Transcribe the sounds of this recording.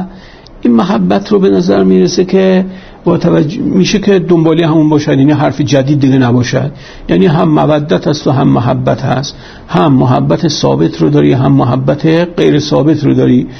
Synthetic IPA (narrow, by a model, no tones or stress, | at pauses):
ʔinmoɦæbːæt̪ʰrobenæzæɾmiːɾesekʰʲe | bɒːt̪ʰævæd͡ʒmiːʃekʰʲe̞d̪ombɒːlijhæmunbɒːʃæd̪jæːniɦæɾfed͡ʒæd̪iːd̪ːiɡʲenæbɒːʃæ̰d̪̥ | jæːniːɦæmːævæd̪ːæt̪ʰæst̪oɦæmːoɦæ̰bːæt̪ʰhæ̰st̪ | hæmːoɦæ̰bːæt̪ʰesɒ̰ːbe̞t̪ʰɾod̪ɒːɾiɦæmːoɦæbːæt̪ʰeɢejɾesɒːbe̞t̪ʰɾod̪ɒːɾi